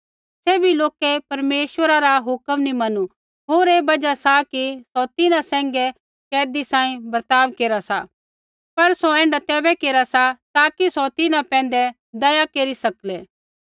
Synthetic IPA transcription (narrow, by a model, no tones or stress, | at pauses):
sɛːbʱiloːkɛpɐɾmeːʃwəɾaɾaɦʊkəmnimɐnu | ɦoːɾeːbɐd͡ʒasakisɔt̪ɪnãsɛ̃ːŋɡɛ | kɛːd̪isãːĩbɐɾt̪aːʋkeːɾasa | pɐɾsoɛ̃ːɳɖat̪ɛːbɛkeːɾasat̪aːkisɔt̪ɪnãpɛ̃ːn̆d̪ɛ | d̪ɐjakeːɾisɐklɛː